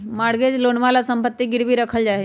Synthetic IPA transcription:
maɽɡed͡ʒloɳʋalasəmpət̪ːiɡɪɽbʱiɾəkʰəld͡ʒaɦe

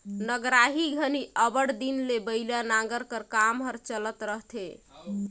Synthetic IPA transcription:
nəɡɾaɦiɡʱəniʔəbəɽd̪inlebəɪlanaɡəɾkəɾkamɦəɾt͡ʃələt̪ɾəɦt̪ʰe

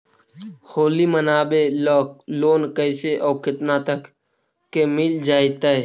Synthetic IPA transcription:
hoːliːmənaːɓeːlloːnkəɪseːʔoːkɪt̪nãːt̪əkː | eːmild͡ʒaːit̪əeː

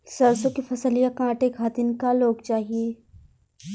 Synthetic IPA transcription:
sɐɾsõkifʰɐsəlijakãːʈekʰaːt̪ɪnkaloːɡt͡ʃaːɦieː

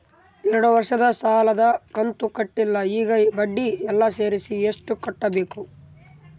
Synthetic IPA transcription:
ɛɾɐɽuʋɐɾʂɐd̪ɐsaːlɐd̪ɐkɐnt̪ukɐʈːilːɐiːɡɐbɐɖːiɛlːɐse̞ːɾisieʂʈukɔʈːɐbe̞ːku

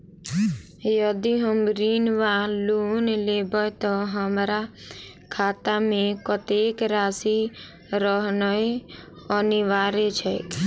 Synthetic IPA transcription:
jɔd̪iɦəmɾinʋãlunlebɔjt̪ɔɦəmɾa | kʰat̪amẽkɔt̪ekɾasi | ɾɔɦnɔ | ɔniʋaɾet͡ʃʰek

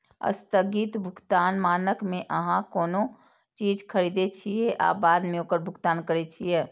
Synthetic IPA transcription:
ə̰st̪əɡit̪bʱʊɡt̪aːnmaːnəkmẽʔəɦãkoːno | t͡ʃiːd͡ʒkʰəɾiːd̪et͡ʃʰijeʔa̰ːbaːd̪mẽoːkəɾbʱʊɡt̪aːnkəɾet͡ʃʰijɛː

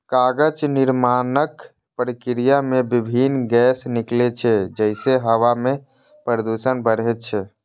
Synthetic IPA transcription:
kaɡəd͡ʒniɾmanək | pɾikɾijamebibʱinɡɛsniklet͡ʃʰɛd͡ʒəɪseɦəwame | pɾɾəd̪usənbəɽ̤ɛt͡ʃʰɛ

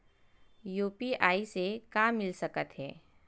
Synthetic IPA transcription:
juːpiʔaːisekaːmːɪlsɐkət̪ɦɛ̰ː

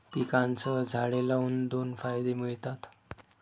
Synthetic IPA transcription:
pikãnt͡səd͡zʱaɭelaund̪onfajd̪emiɭt̪at̪

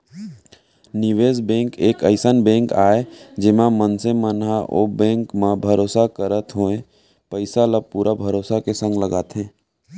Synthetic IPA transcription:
nɪʋeːzbɛ̃ːŋkeːkəɪsənbɛ̃ːŋkaːed͡ʒɪmãmənsemənɦaʔo̰ːbɛ̃ːŋkmãbʱəɾoːsakəɾət̪ɦoːẽ | pəɪsaləb̚puːɾʔabʱəɾoːsakesə̃ŋɡləɡaːt̪ɦɛ̃ː

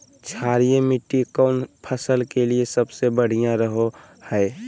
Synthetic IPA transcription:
t͡ʃʰaːɾijẽmɪʈːikəʊnpʰəsəlkeliesəbsebəɽ̤ijãɾəɦo | hɛː

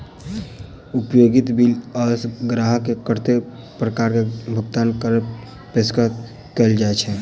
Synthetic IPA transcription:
upjoɡit̪biləsɡɾaɦəkekəɾt̪e | pɾəkaɾkebʱʊɡt̪ankəɾ | peskə | kɛld͡ʒaet͡ʃʰɛ

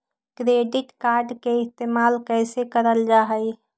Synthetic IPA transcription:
kɾeɖiʈkaɾɖkeɪst̪emalkəɪsekəɾəld͡ʒaɦəj

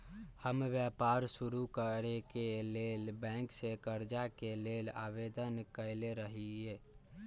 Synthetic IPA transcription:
həmʋjapaɾsuɾukəɾekelelbɛ̃ksekəɾd͡ʒakelelaʋed̪ənkəɪleɾəɦie

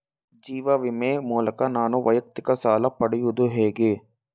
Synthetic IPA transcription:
d͡ʒiːʋɐʋimeːmuːlɐkɐnaːnuʋɐjɐk̚t̪ikɐsaːlɐpɐɽijud̪uɦeːɡe

